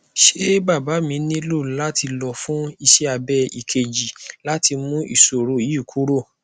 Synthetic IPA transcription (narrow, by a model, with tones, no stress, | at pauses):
ʃe˦ba˦˨ba˨˦mĩ˧˦nĩ˦lo˦˨˦la˦tʰi˧lɔ˧fũ˦i˧ʃɛ˦a˧bɛ˦i˨kʰe˨d͡ʒi˨la˦ti˧mũ˦ʔḭ˦˨so˨ɾo˨i˦˨kʰu˦ɾo˦˨